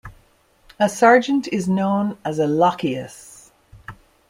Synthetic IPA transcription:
əsɑɹd͡ʒə̃ntʰɪznõʊ̃nəzəlɑkiəs

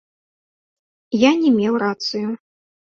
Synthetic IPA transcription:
janʲɛmʲɛwɾat̪sɨju

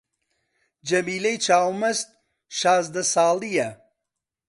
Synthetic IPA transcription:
d͡ʒɐmiːlejt͡ʃʰaːwmɐst̪̚ | ʃaːzd̪ɐsaːlˠijɐ

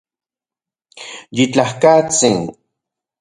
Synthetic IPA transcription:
jɪt͡ɬahkat͡sɪŋ

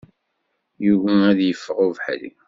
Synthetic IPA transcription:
juvææðjəfːəʁʊvħlḭ

